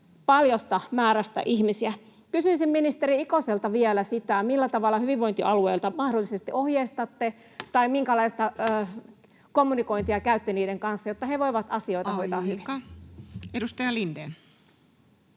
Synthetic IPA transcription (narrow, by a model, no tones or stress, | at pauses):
pɑljost̪ɑmæːɾæst̪ɑ̰ʔihmisiæ | kysyisimminist̪eriikoselt̪ɑʋielæsit̪æmilːæt̪ɑʋɑlːɑhyʋiʋʋoint̪iʔɑlueilt̪ɑmɑhdolːˑisest̪iohjeist̪ɑt̪ːe | t̪ɑimiŋkælɑist̪ɑː | komːuniko̞int̪iɑkæyt̪ːeniːdeŋkɑnsːɑjot̪ːɑheʋoiʋɑt̪ɑsio̞jt̪ɑhojt̪ɑːhyʋi | edust̪ɑjɑlindeːn